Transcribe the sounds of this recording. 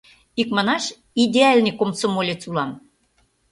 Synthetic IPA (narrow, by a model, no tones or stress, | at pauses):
ikmə̆nɑʃ | id̪ʲeɑlʲnʲikomsomolʲet͡sulɑm